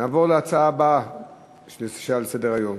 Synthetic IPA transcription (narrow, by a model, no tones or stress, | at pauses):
naːvo̞ʁleat͡saaba | ʃlisi̥ʃalsedeʁajo̞m